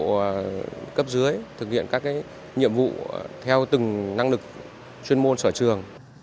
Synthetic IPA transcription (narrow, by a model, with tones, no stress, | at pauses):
kə˦˥p̚zɨ˨˦əjt̪ʰɨ˨˩k̚hḭ˧˨ənkaː˦˥kːaː˨˦j | ɲḭ˧˨əmvṵ˧˨t̪ʰɛ˧wt̪ɨ˨˩ŋna˧ŋlɨ˨˩k̚ | t͡ɕwi˧ənmo˧nsəː˧˩t͡ɕɨ˨˩əŋ